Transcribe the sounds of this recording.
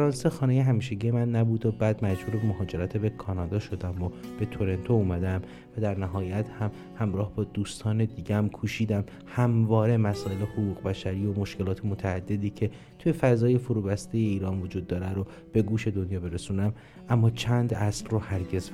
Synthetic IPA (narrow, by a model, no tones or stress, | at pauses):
fæɾɒːnsexɒːne̞jeɦæmiːʃe̞ɟijemænːæbuːd̪obæːd̪mæd͡ʒbuːɾebemoɦɒːd͡ʒe̞ɾæt̪ʰebekʰɒːnɒːd̪ɒːʃo̞d̪æmob̥e̞t̪ʰoɾe̞nt̪ʰouːmæd̪æm | væd̪æɾnæɦɒːjæt̪hæm | hæmɾɒːhbɒːd̪uːst̪ʰɒːne̞d̪iːɟemkʰuːʃiːd̪æm | hæmvɒːɾe̞mæsɒːe̞le̞hoɣuːɣbæʃæɾiːo̞mo̞ʃce̞lɒːt̪ʰemot̪ʰæːd̪ːe̞d̪iːcʰe̞ | t̪ʰuje̞fæzɒːje̞foɾuːbæst̪e̞je̞iːɾɒːnvod͡ʒuːd̪ːɒːɾæɾo | b̥e̞ɡuːʃe̞d̪o̞njɒːbe̞ɾesuːnæm | ʔæmːɒːt͡ʃʰænd̪æslrohæɾɟe̞z